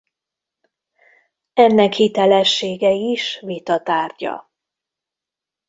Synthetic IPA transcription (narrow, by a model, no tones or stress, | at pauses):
ɛnːɛkhit̪ɛlɛʃːeːɡɛiʃvit̪ɒt̪aːrɟɒ̰